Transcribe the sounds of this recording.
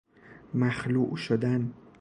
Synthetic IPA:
mæxluʔʃod̪æn

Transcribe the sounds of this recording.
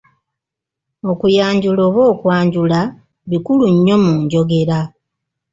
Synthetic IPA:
o̞kujaːɲɟulo̞ːβo̞ːkwaːɲɟula | βikuluɲːo̞muːɲɟo̞ɡe̞ɾa

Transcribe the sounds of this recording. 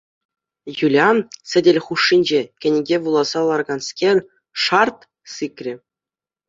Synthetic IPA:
julʲɑsʲɘ̆dʲĕlʲχuʂːinʲd͡ʑekʲɘ̆nʲɡʲeʋulˠɑz̥ɑlˠɑrɡɑnskʲenʲ | ʂɑrt̪ | sɨkʲrʲĭ

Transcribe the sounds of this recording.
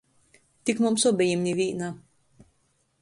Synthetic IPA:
t̪ʲikmumsɔbʲɛjimʲnʲivʲiːna

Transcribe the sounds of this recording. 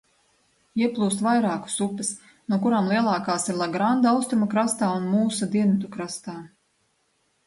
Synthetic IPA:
iɛplˠuːst̪vajɾaːku̥supis | nuɔkuɾaːmlˠiɛlˠɑːkaːsiɾlˠaɡɾand̪awst̪ɾumakɾast̪aːunmuːsad̪iɛnit̪ukɾast̪aː

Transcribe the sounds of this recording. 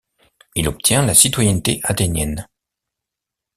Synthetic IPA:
ilɔp̚t̪ʰjɛ̃lasit̪wajɛnt̪eʔat̪enjɛn

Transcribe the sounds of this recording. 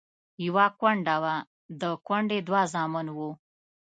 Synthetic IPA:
jawɑkwaɳɖawa | d̪əkwaɳɖed̪wɑzɑmɪnwu

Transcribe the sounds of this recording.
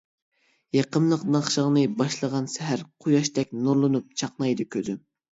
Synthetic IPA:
jɑqəmlˠəqnɑχʃəʁnɨbɑʃlˠəʁɑnsɛɦæɾqʰʊjɑʃt̪ɛk̚ʲnuɾlˠɨnup̚t͡ʃʰɑqnɑjd̪ɨkʲʰød̪ɪm

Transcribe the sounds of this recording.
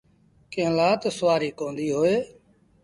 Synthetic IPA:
kẽːlaːt̪sʊʋaːɾiːkõːnd̪iːɦoːeː

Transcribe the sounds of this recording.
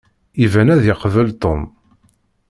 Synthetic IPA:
ivænæðɪqvəlt̪ˤom

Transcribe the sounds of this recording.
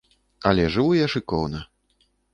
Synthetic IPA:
ɐlʲɛʐɨvujɛʂɨkɔwnɐ

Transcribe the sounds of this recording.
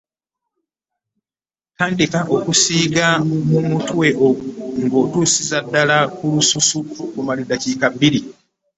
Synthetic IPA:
taːndikaʔo̞kusiːɡamumutwweʔoɡŋɡo̞ːtuːsizadːalakulususuokumalidaciːkabːiɾi

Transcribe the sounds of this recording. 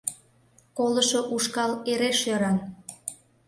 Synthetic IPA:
koləʃoʔuʃkɑleɾeʃøɾɑn

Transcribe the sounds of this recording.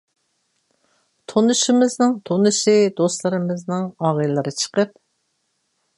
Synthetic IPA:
t̪ʰonɨʃɪmɪznɨŋt̪ʰonɨʃɪd̪ost̪lˠɨɾɨmɪznɨŋɑːʁɨlˠɨɾɨt͡ʃʰə̥qəp̚

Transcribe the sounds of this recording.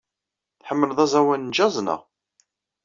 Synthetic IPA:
θħəmːələðˤæzˤæwænnd͡ʒɑzˤnə̰ʁ

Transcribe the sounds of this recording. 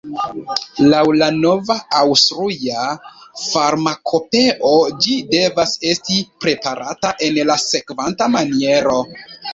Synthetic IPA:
lawlano̞vaawstɾiafaɾmakʰo̞pe̞ʔo̞d͡ʒide̞vase̞stipɾe̞paɾataʔe̞nlase̞kvantamanie̞ɾo̞

